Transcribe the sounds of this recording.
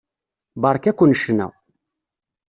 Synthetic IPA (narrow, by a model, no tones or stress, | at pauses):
bɑɾˤkækʷːənəʃənæ̰w